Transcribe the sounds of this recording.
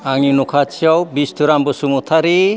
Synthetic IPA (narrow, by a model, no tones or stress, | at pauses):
aŋinukʰat͡ʃʰiawbist̪ʰuɾambɔsumut̪ʰaɾi